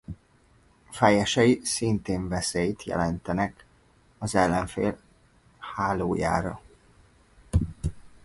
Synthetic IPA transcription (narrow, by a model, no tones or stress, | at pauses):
fɛjɛʃɛjisint̪eːɱvɛseːjt̪jɛ̰lɛnt̪ɛnɛk | ɒzɛlːɛɱfḛːl | haːloːja̰ːɾɒ̰